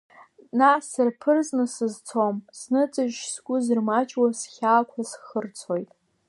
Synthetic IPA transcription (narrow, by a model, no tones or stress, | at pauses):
nasɨrpʰɨrznɨsɨzt͡sʰomznɨt͡sʼɨʒsɡʷʼʊzɨrmat͡ʃʼwasχʲaːkʷʰasχərt͡sʰojtʼ